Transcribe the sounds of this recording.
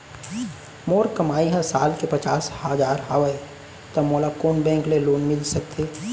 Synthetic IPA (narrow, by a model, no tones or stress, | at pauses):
moːɾkəmaːiɦɛ̃saːlkepət͡ʃaːshəd͡ʒaːɾɦaːʋə | t̪əmoːlakoːnbɛ̃ːŋkleloːnmɪlsək̚t̪ʰeː